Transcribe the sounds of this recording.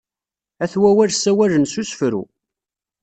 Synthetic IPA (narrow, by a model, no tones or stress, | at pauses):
æθwæwæɾsæwælənsusfɾṵ